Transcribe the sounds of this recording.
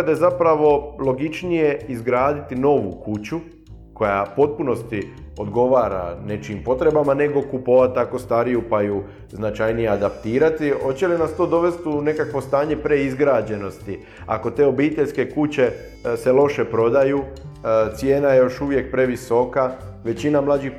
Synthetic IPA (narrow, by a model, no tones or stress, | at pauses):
ad̪ajezapɾaʋo̞lˠo̞ɡit͡ʃnije̞izɡɾaːd̪it̪ino̞ʋukut͡ɕu | ko̞ja̰po̞t̪̚puno̞st̪i | o̞d̪ɡo̞ʋaːɾa̰ne̞t͡ʃimpo̞t̪ɾe̞bamane̞ɡo̞kupo̞ʋat̪̚t̪ːako̞st̪aɾijupaju | znat͡ʃajnijead̪apt̪iːɾat̪iho̞t͡ɕe̞linast̪o̞ːd̪o̞ʋe̞st̪une̞kakʋo̞st̪aːɲe̞pɾe̞izɡɾaːd͡ʑe̞no̞st̪i | a̰ko̞t̪e̞ːo̞biːt̪e̞ʎʲske̞kut͡ɕe̞ | se̞lˠo̞ʃe̞pɾo̞d̪ajuːt̪sje̞ːnajejo̞ʃuʋje̞k̚pɾe̞ʋiso̞ka | ʋe̞t͡ɕinamlˠad͡ʑix